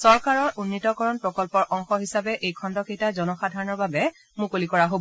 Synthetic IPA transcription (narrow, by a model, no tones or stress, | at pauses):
sɔɹkaɹɔɹʔunːitɔkɔɹɔnpɹɔkɔlpɔɹʔɔŋxɔɦisabɛʔejkʰɔndɔkejtazɔnɔxadʱaɹɔnɔɹbabɛ | mukolikɔɹaɦob